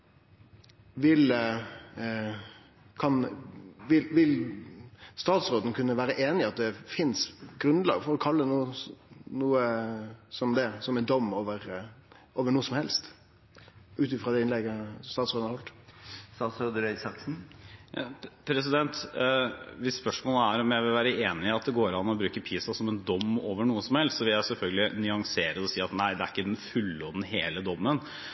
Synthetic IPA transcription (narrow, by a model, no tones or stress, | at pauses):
ʋɪl | kʰɑnʋɪlʋɪl | st̪ɑːt̪sɾoːd̪ən̩kʰʉnːəʋæːɾəʔeːnɪɑt̪̚d̪ɛfɪnsɡɾʉnd̪lɑ̰ːɡəfɔɾɔkʰɑlːənuːənuːəsɔmd̪ɛsɔmɛnd̪ɔmːoːʋəɾ | ʔoːʋəɳuːəsɔmhɛlst̪ | ʉːt̪ɪfɾɑd̪ɛɪnlɛɡəst̪ɑːt̪sød̪nɑɾɔlt̪sɑsɔd̪əɾɛɪsɑksn̩jɑ̰pʰɾɛs̬ɪd̪ɛnt̪ | ʋɪsːpœʂmoːləæɾɔmjæɪʋɪlʋæːɾəeːnɪɑt̪̚d̪ɛɡoːɾɑnːɔbɾʉːkəpʰiːsɑsɔmɛnd̪ɔmːoːʋəɳuːəsɔmhɛlst̪sɔʋɪljæɪsɛlfœlɡəlɪnʏɑŋseːɾəɔsiːɑt̪næɪd̪ɛæɾɪkːəd̪ɛnfʉlːɔd̪n̩ɦeːləd̪ɔmːən